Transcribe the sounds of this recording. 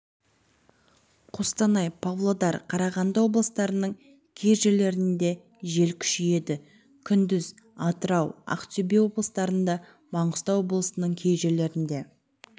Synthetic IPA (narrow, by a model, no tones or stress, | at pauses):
qʰost̪ɑnɑjpʰavlˠod̪ɑɾqʰɑɾɑʁɑnd̪əwo̞blˠəst̪ɑɾənəɴ | kʲʰeʒe̞le̞ɾɪnd̪e̞ | ʒe̞lkʲʰʏ̥ʃɪje̞d̪ɪ | kʲʰʏnd̪ɪz | ɑt̪əɾɑwɑ̰qt̪ʲobewo̞blˠəst̪ɑɾənd̪ɑ | mɑɴʊst̪ɑwo̞blˠəsənəɴkʲʰe̞jʒe̞le̞ɾɪnd̪e̞